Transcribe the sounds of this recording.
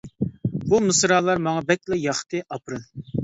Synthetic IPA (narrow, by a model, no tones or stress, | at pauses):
bumɨsɾɑːlˠɑɾmɑŋɑbɛk̚ʲlɛjɑχt̪ʰɨʔɑpɾɨn